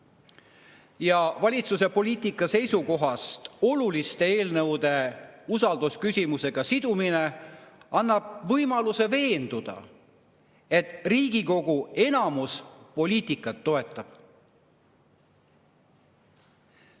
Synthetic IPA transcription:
jɑvɑlʲit̪suse̞po̞lʲiːt̪ikːˑɑse̞jsuko̞ɦɑst̪o̞lulist̪e̞e̞ːlnɤwd̪̥e̞usɑld̪uskysʲimuse̞ɡ̥ɑsid̪̥umine̞ɑnːɑb̥̚vɤjmɑluse̞ve̞ːnd̪̥ud̪̥ɑ̰ | e̞t̪riːɡ̥iko̞ɡ̥ue̞nɑmuspo̞lʲiːt̪ikːˑɑt̪ːo̞e̞t̪ˑːɑb̥

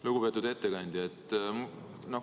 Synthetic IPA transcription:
luɡ̥upe̞ːt̪ːˑud̪e̞t̪ːekɑnʲd̪̥ʲjiet̪ːˑm | no

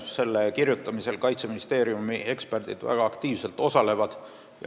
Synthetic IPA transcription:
sse̞lːekirjut̪ːˑɑmise̞lkɑjt̪se̞minist̪e̞ːɾjumie̞ksperd̪̥id̪̥væ̰ɡ̥ɑːkt̪iːvse̞lt̪ːˑo̞sɑle̞vɑd̪̥ | jɑ̰

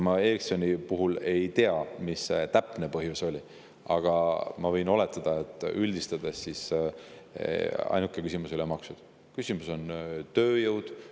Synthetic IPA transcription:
mɑe̞ːksonipuɦule̞jt̪eɑmist̪æpˑne̞pɤɦjuso̞lʲi | ɑ̰ɡ̥ɑmɑvɤ̞jno̞le̞t̪ːˑɑd̪̥ɑe̞t̪ːˑylʲd̪ist̪ɑd̪̥esːis | ɑ̰jnukːˑe̞kysʲimusylemɑksud̪̥ | kysʲimuso̞nt̪ø̞ːjɤwd̪̥

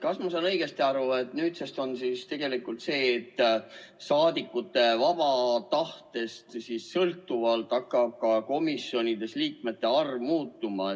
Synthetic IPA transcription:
kɑsmɑsɑːnɤjɡ̥e̞st̪iɑɾuet̪nyːt̪sest̪o̞nsist̪e̞ɡ̥e̞likult̪se̞ːt̪ːˑsɑːd̪ikːˑut̪ːˑe̞vɑb̥ɑt̪ɑht̪e̞st̪sissɤlt̪ːˑuvɑlt̪ːˑɑkːˑɑb̥̚kɑko̞misjo̞nid̪e̞sliːk̚me̞t̪ːe̞ɑrvmuːt̪ːˑumɑ

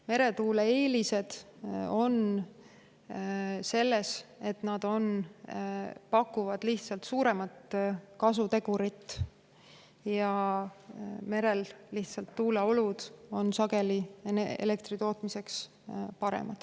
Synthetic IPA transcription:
me̞ɾe̞t̪uːlee̞ːlise̞d̪̥ | o̞n | se̞lːe̞se̞t̪nɑd̪̥o̞n | pɑkːuvɑd̪̥liht̪sɑlt̪suːɾe̞mɑt̪kɑs̬ut̪e̞ɡ̥uɾit̪ː | jɑ | me̞ɾe̞lːiht̪sɑlt̪ːuːleo̞lud̪̥o̞nsɑɡ̥e̞lieḛle̞k̚t̪rit̪oːt̪mise̞ks | pɑɾḛmɑd̪̥

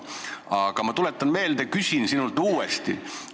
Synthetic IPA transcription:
ɑɡ̥ɑmɑt̪ule̞t̪ˑːɑnme̞ːld̪̥ekysʲinsinult̪uːest̪ḭ

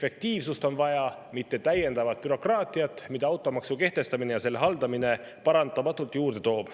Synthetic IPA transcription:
fek̚t̪iːvsust̪o̞nvɑjɑ | mit̪ːe̞t̪æje̞nd̪ɑvɑt̪̚pyɾo̞krɑːt̪ˑiɑt̪ːˑmid̪̥ɑɑwt̪ːˑo̞mɑksuke̞ht̪e̞st̪ɑminejɑse̞lːeɦɑld̪ɑmine̞ | pɑɾɑnd̪ɑmɑt̪ːˑult̪ˑjuːɾd̪̥e̞t̪o̞ːb̥

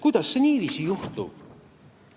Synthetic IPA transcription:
kud̪̥ɑsːe̞niːviːsijuht̪ṵ̥

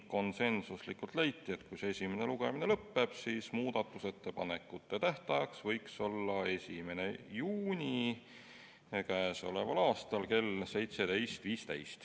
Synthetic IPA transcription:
ko̞nse̞nsuslikːult̪lejt̪ːˑie̞t̪kujsee̞sʲimene̞luɡ̥e̞minelɤpːe̞b̥sismuːd̪̥ɑt̪ːˑuse̞t̪ːe̞pɑne̞kːˑut̪ːˑe̞t̪æht̪ɑjɑksvɤjkso̞lːɑe̞sʲime̞ne̞juːnʲi | kæːso̞le̞̰vɑlɑːst̪ɑlke̞lse̞jt̪se̞t̪e̞jst̪viːst̪e̞̰jst̪

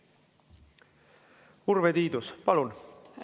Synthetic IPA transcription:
urvet̪iːd̪uspɑlun

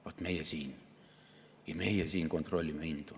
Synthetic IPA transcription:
ʋɑt̪meijæsiːn | jɑmeijæsiːŋkont̪rolʲːimːeint̪u

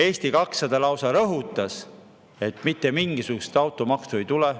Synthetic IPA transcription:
e̞ːst̪ikɑksɑd̪̥ɑlɑwsɑɾɤɦut̪ːˑɑs | e̞t̪mit̪ːe̞miŋɡ̥isukust̪ɑwt̪ːˑomɑkst̪ue̞jt̪ulɛ

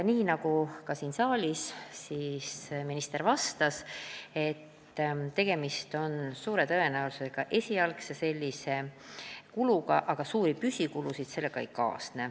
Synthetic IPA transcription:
niːnɑɡ̥ukɑsiːnsɑːlʲissisminist̪e̞ɾvɑst̪ɑse̞t̪ːt̪e̞ɡ̥e̞mist̪o̞nsuːɾe̞t̪ɤe̞næowlususeɡ̥ɑʔe̞sʲiɑlksese̞lʲːise̞ | kuluɡɑʔɑɡ̥ɑsuːɾipysʲikulusid̪̥se̞lːe̞ɡ̥ɑḛjkɑ̰ːsne

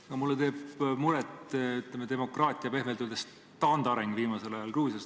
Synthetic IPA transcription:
ɑkɑmulːet̪e̞ːbmuɾet̪yt̪lemed̪e̞mo̞krɑːt̪ʲˑiɑpe̞hmelt̪ud̪̥es | t̪ɑnd̪ɑɾeŋɡ̥viːmɑse̞lɑjɑlruːsjɑs

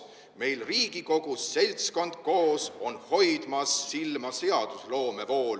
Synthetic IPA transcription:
me̞jlriːɡ̥iko̞ɡ̥usːe̞lʲtsko̞nd̪̥̚ko̞ːso̞nho̞jd̪̥mɑsːilmɑse̞ɑd̪̥uslo̞ːme̞vo̞ːl

